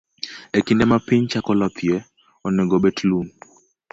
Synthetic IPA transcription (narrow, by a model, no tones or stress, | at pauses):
ekindɛmapiɲt͡ʃakɔlɔpʰjɛ | ɔnɛɡobɛtlun